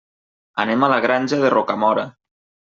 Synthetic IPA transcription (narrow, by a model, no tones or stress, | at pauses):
a̰nemalaɣɾanʲʒaðerʔokamɔɾa